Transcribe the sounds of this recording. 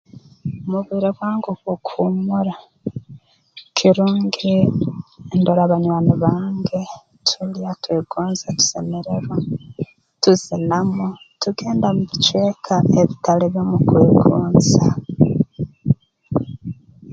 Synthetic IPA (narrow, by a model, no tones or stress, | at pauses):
omuβwiːɾeβwaːŋɡukukʰumuɾa | kʰiɾuːŋɡii | ndoɾaβanwaniβaːŋɡe̞ | tʰuliatweːɡuːnzatu̥se̞meɾe̞ɾwa | tuzinamo | tuɡe̞ːndamuβit͡ʃwe̞ːkʰaeβitaleβjo̞mukweːɡuːnza